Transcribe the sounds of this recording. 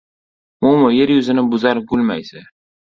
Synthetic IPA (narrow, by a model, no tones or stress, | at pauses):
mʊmʊjeɾjʊzɪnɪbʊzaɾɡʊlma̰jsa